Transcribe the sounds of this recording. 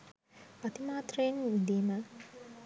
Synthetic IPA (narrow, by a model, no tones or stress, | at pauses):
pɐt̪imaːt̪rɐjinid̪iːmə